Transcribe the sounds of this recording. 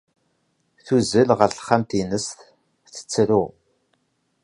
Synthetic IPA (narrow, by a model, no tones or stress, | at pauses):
θuzəlʁəɾθχːamt̪inəst̪ | θə̥t͡sːɾu